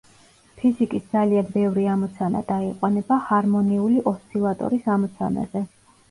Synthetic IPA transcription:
pʰizikʼisd̪zalianbɛvɾiamɔt̪sʰana̰d̪aiqʼwanɛbahaɾmɔniuliʔɔst̪ʰʼilˠat̪ʼɔ̰ɾisamɔt̪sʰa̰na̰zɛ

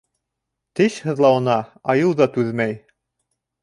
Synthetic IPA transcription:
t̪ɘɕhɤ̆ðlˠɑwɤ̆nɑɑjɤwðɑt̪ʉðmæj

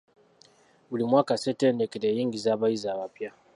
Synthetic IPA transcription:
bulimwaːkasetendekedeɲiŋɡizaβaizaβapja

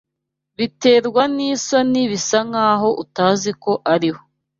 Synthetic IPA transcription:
βite̞ːɾɡwaniːsaniβisaŋaːɦo̞ʔutaːziko̞ʔaɾiho

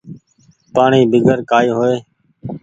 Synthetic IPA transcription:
paːɳiːbɪɡʱəɾkaːiːɦoːeː

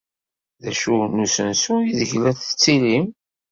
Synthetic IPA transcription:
ðæʃunusənsuiðəʝlæθə̥t͡sːilim

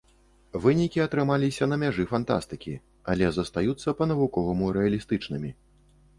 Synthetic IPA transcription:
vɨnʲikʲiɐt̪ɾɨmalʲisʲɐnɐmʲaʐɨfant̪a̰st̪ɨkʲi | alʲɛzɐst̪ajut̪sːɐpɐn̪ɐvukɔvɐmuɾɛɐlʲist̪ɨt͡ʂnɨmʲi

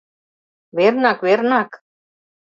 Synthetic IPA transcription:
vɛɾnakvɛɾnak

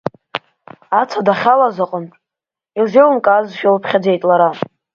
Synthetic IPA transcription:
at͡sʰadaχʲalazaqʼəntʼ | ilzewmkʼaːzʃᶣalpʰχʲad͡ze̞jtʼlaɾa

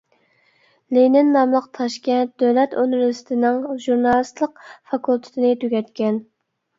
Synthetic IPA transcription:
lenɪnːɑmlˠəqt̪ʰɑʃkʲɛnt̪̚d̪̥øwlɛt̪onɾsɪ̥t̪ʰɪnɪŋʒuɾnɑlˠɨst̪lˠəq̚fɑkʰulˠt̪ʰɪ̥t̪ʰɪnɪt̪ʰøɡʲɛt̪kʲɛn

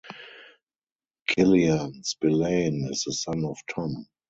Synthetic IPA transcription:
kʰɪliãnsbɪlẽɪnɪsðəsãnɔftʰɔ̃m

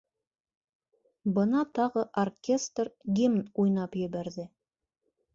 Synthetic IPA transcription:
bɤ̆nɑt̪ɑʁɤʔorkʲest̪rɡʲimnujnɑpjɘ̆βæɾðɘ

